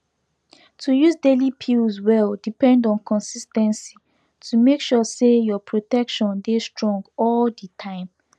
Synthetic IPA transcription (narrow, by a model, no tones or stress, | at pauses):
tʰujuzdelipʰilzwɛldipɛ̃ndɔ̃nkʰɔ̃nsistɛ̃nsi | tʰumekʃɔsejɔpʰɹotɛkʃɔ̃ndestɹɔ̃ŋɡɔlditʰãɪ̃m